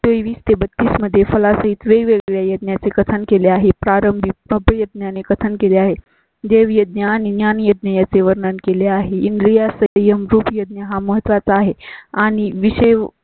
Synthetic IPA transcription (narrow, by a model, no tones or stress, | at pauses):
t̪oʋiːst̪ebət̪ːisməd̪ʱːjefəlasəɦit̪ʋeɡʋeɡɭjajəd̪̚njat͡sekət̪ʰənkeleaɦepɾaɾəmbʱiəbəjəd̪̚njanekət̪ʰənkeleaɦe | d̪eʋjəd̪̚njaːñinjanjəd̪nəjat͡seʋəɾɳənkeleaɦeinɖɾijasəjəmɾuːpjəd̪̚njəɦaməɦət̪ʋat͡saːɦeaɽ̃iʋiɕəj